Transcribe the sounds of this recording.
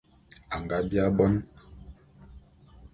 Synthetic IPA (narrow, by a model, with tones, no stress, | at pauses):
a˨ŋɡa˦bja˦bɔ˦n